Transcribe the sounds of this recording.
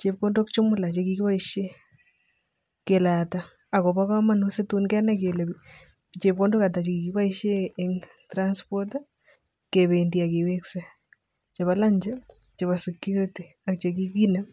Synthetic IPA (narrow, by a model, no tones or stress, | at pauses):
t͡ʃep̚kondokt͡ʃʊmʊlat͡ʃekikipaiʃe | kelata | akopakamanusetunkɛnak̬elebi | t͡ʃep̚kondokat̬at͡ʃekikiβaiʃjeeŋ | tɾanspot | keβendiakewekse | t͡ʃeβalaɲd͡ʒa | t͡ʃeβasekjuɾiti | akt͡ʃek̬ikina